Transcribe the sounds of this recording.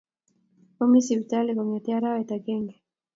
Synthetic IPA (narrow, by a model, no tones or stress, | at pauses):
omisiβit̪ealekoŋet̪eaɾaet̪aɡeŋɡe